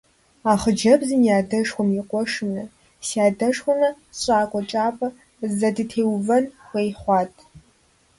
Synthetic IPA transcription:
aːχəd͡ʒɐbzɨnjaːdɐʂxʷʊmjiqʷʼɔʂɨnɐ | sjaːdɐʂxʷʊnɐ | ɕʼaːkʷʼɔt͡ʃʼaːpʼɐ | zɐdɨtʰeːwvɐnxʷejχʷɑːtʼʰ

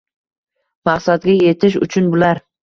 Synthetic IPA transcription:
maqsat̪ɡʲaje̞t̪ʰɪʃ̬ʊ̰t͡ʃʰʊnbʊlaɾ

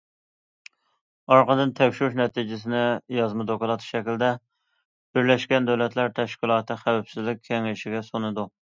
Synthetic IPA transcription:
ɑɾqəd̪ɨnt̪ʰɛkʲʃyɾuʃ̬nɛt̪ʰid͡ʒɪs̬ɪnɪjɑzmɨd̪okʊlˠɑt̪ʰʃɛkʲɪld̪ɛ | b̥ɪɾlɛʃkʲɛnd̪æwlɛt̪ʰlæɾt̪ʰɛʃkʲilˠɑːt̪ɨχæwæpsɪzlɪk̚ʲʰːɛŋɪʃɪɡʲɛsonɨd̪u

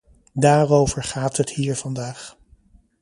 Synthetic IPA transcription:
daːrowvəɹχaːtɦəthiːɹv̥ɑndaːχ

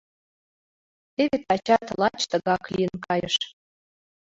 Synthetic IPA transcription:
t̪eβet̪ɑt͡ɕɑt̪lˠɑt͡ɕt̪ə̆ɣɑklʲijənkɑjəʃ

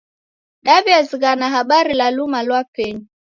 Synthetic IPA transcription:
ɗaviaziɣanaɦaɓaɾilalumalwapɛɲi

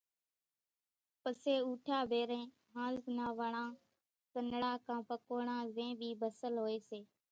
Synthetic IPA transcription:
pəseːuːʈʰaːbʱeːɾẽː | ɦãːnaːʋəɳãː | tənɽaːkãːpəkoːɳãːzẽːbʱiːbəsəlɦoːeːseː

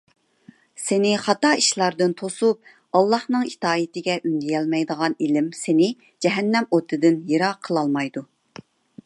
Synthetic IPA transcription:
sɪnɪχɑt̪ɑiʃlˠɑɾd̪ɨnt̪ʰosup̚ | ɑlˠːɑhnɨŋit̪ɑːjit̪ɪɡʲɛʔynd̪ijɛlmɛjd̪əʁɑnilɪmsenɪ | d͡ʒɛɦɛnːɛmot̪ʰːɨd̪ɪnjiɾɑqʰəlˠɑlˠmɑjd̪u

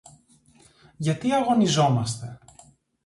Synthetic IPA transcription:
ʝɐt̪iɐɣo̞nizo̞mɐst̪e̞

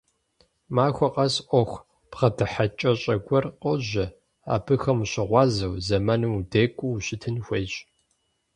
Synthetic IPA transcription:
maːxʷɔqʼɐsʔʷɔxʷ | pʁɐdɨħat͡ʃʼɐɕʼɐɡʷɔrqɔʑɐ | a̰ːbɨxɐmɕɪʁʷɑːzɐwzɐmɐnudeːkʷʼuwɕɪtʰɨnxʷeːɕʼ

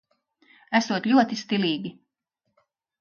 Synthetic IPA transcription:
æsuɔt̪lʲuɔt̪ist̪iliːɡʲi

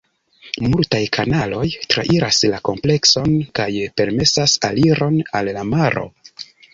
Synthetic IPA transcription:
multajkʰanalo̞jtɾa̰ʔiɾaslako̞mple̞kso̞nkajpe̞ɾme̞sasaliɾo̞nalːamaɾo̞̰

